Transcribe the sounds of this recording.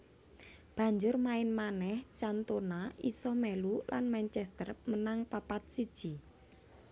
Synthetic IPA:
b̥a̤ɲd͡ʒʊrmaɪnmanɛht͡ʃant̪onaisɔmɛlulʔa̰nmɛnt͡ʃɛst̪ərmənaŋpapat̪̚sid̥ʒ̥i

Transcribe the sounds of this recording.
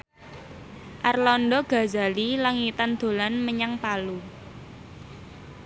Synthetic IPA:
ʔarlɔnɖɔɡ̥a̤za̤lilaŋit̪and̪̥o̤lanməɲaŋpalu

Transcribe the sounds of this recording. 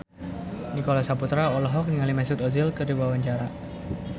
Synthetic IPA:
nikolasaput̪ɾaɔlɔɦɔk̚niŋalimɛsʊt̪ɔzilkərdiwawaɲt͡ʃaɾa

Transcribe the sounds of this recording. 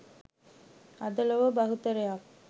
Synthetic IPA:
ɐd̪ɐlɐʋɐbɐɦut̪ɐɾɐjaː

